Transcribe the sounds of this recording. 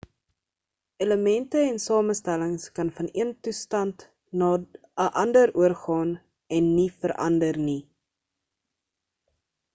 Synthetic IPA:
eləmɛntəɛnsɑːməstæləŋskɐnfɐniəntustɐnt | nɑ | əʔɐndəɾuərχɑːn | ɛnːifəɾʔɐ̰ndərni

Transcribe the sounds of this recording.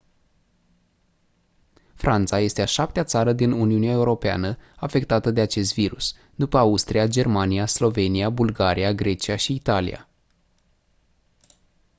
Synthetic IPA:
fɾʔant̪saje̞st̪eaʃap̚t̪eat̪saɾəd̪inuniuneae̞uɾo̞pea̰nəafe̞kt̪at̪əd̪e̞at͡ʃe̞st̪viɾus | d̪upəaust̪ɾiad͡ʒe̞rmaniaslo̞ve̞niabulɡaɾiaɡɾe̞t͡ʃiaʃiːt̪alḭja̰

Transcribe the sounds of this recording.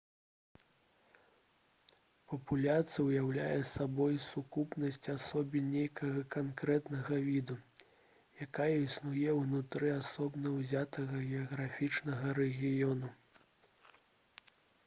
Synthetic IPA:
pɐpulʲat̪sɨjɐwjawlʲajɛsabɔjsukupnɐsʲt͡sʲasɔbʲinʲejkɐɣɐkankɾɛt̪nɐɣɐvʲid̪u | jakajɐisnujɛwnut̪ɾɨasɔbnɐwzʲat̪ɐɣɐɣʲɛɐɣɾafʲit͡ʂnɐɣɐɾɛɣʲijɔnu

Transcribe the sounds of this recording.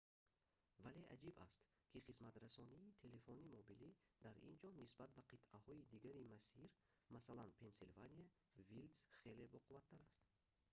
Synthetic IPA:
vale̞ʔa̰d͡ʒiba̰st̪ | kʰiχismat̪ɾasɔniːt̪ʰe̞le̞fɔnimɔbilid̪̥aɾḭnd͡ʒɔnisbat̪̚baqʰit̪ahɔid̪iɡaɾimasiɾ | masalanpʰe̞nsilvania | vild̪sχe̞le̞vɔquvat̪ʰːaɾast̪

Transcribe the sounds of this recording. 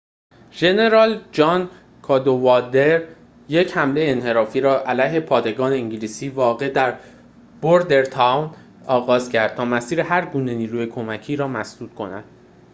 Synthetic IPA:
ʒe̞ne̞ɾɒːld͡ʒɒːn | kʰɒːd̪ovɒd̪eɾ | je̞chæmle̞jeːnhe̞ɾɒːfiːɾɒːʔælæjɦe̞pʰɒːd̪e̞ɡɒːneiɲɟiliːsiːvɒːɣe̞d̪æɾ | b̥oɾd̪e̞ɾt̪ʰɑwn | ɒːɣɒːz̥cʰæɾd̪̚t̪ʰɒːmæsiːɾeɦæɾɡuːne̞niːɾuːjekʰo̞mæcʰiːɾɒːmæsd̪uːt̪̚kʰo̞næ̰d̪̥

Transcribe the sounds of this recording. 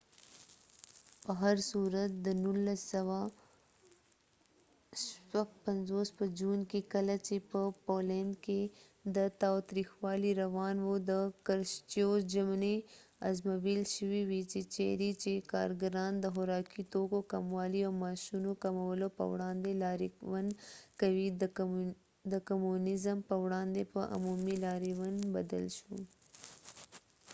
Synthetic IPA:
pɐɦɐɾsuːɾət̪̚d̪ənʊlːəsːɐʋa | swɐpɐnzoːspəd͡ʒuːnkikɐlat͡ʃepəpoːlẽnd̪ke | d̪ət̪aːt̪ɾiːxwaːliɾɐʋaːnwod̪əkɐɾʃt͡ʃijoːd͡ʒɐmneɐ̰zmɐbiːlʃəwiwit͡ʃet͡ʃḛd̪it͡ʃekɑ̰ɾɡaɾɑnd̪əxʊɾɑkit̪okokamwɑliawmɑʃunokamawəlopə̰wɽɑnd̪elɑɾiwankawi | d̪əkamunɪzəmpəwɽɑnd̪epəʔʊ̰mumilɑɾiwanba̰d̪ə̰lʃṵ

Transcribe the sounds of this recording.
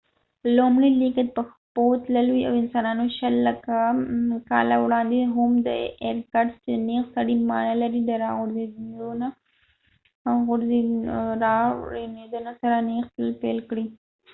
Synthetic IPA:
lomɽilikat̪̚pəxpot̪ləlwia̰wɪnsɑnɑnoʃalːakakɑ̰la̰wɽɑnd̪eɦʊmd̪ə̰eɾkaɖst͡ʃed̪nexsaɽimɑ̰nalaɾid̪əɾɑɣʊɾzed̪ona | ɣʊɾeɾɑned̪anosaɾanext̪llpelkɽi

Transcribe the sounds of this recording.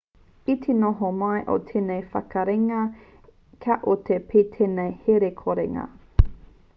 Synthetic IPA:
itʰenoɦomɐjʔo̰tʰeːnejfɐ̰kɐɾeŋɐ | kʰaʔot̪ʰepʰeːt̪ʰenejheɾekʰoɾeŋɐ̰

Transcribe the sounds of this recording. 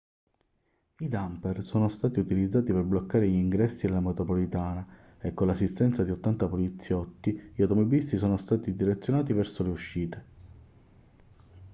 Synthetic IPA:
id̪ampɛrsoːnost̪aːt̪iut̪ilid̪zːaːt̪iperblokːaːɾeʎiiŋɡɾɛsːielamet̪ɾopolit̪aːna | ekːonlːasːist̪ɛnt̪sad̪iot̪ːant̪apolit̪sːjɔt̪ːiʎawt̪ɔmɔbilist̪isɔːnost̪aːt̪id̪iɾet̪sːjonaːt̪ivɛrsoleuʃːiːt̪e

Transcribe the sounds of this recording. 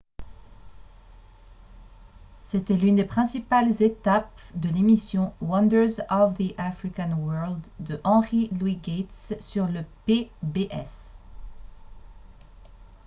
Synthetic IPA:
set̪ɛlynd̪epχɛ̃sipalzet̪ap̚d̪əlemisjɔ̃wʌ̃nd̪ə˞zɔvðiʔafχikanwɜʁld̪ːəʔɑ̃ʁilwiɡɛt̪ssyʁləpebeʔɛ̰s

